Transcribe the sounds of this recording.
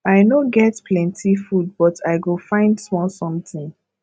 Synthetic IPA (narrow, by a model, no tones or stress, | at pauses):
aɪnoɡɛtpʰlɛ̃ntʰifud̚bɔtʰaɪɡofãɪ̃ndsmɔlsɔ̃mtɪ̃n